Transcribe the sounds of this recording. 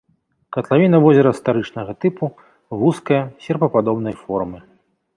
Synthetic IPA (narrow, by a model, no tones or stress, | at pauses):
kɐt̪lˠavʲinɐvɔzʲɛɾɐst̪aɾɨt͡ʂnɐɣɐt̪ɨpu | vuskɐjɐsʲɛrpɐpad̪ɔbnɐjfɔrmɨ